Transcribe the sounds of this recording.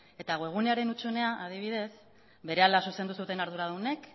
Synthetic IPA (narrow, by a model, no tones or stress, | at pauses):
e̞t̪aɣoe̞ɣ̞une̞aɾe̞nut͡ʃune̞aʔað̞iβ̞iðe̞s | be̞ɾe̞alasusend̪usut̪e̞naɾðuɾaðune̞k